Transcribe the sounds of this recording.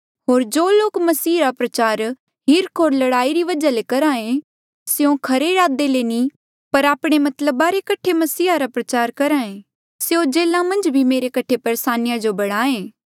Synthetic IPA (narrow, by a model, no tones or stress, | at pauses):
ɦoːɾd͡ʒoːloːkmɐsiːɾapɾɐt͡ʃaːɾ | ɦɪɾkʰoːɾlɐɽaːiɾiʋɐd͡ʒalekɐɾaːẽ | seõkʰɐɾeɾaːd̪eleni | pɐɾaːpɽ̃emɐt̪ləbaɾekɐʈʰemɐsiːɦaɾapɾɐt͡ʃaːɾkɐɾaːẽː | seõd͡ʒeːlãmɐ̃nd͡ʒbʱimeːɾekɐʈʰepɐɾesaːnɪjad͡ʒobɐɽ̃aːẽː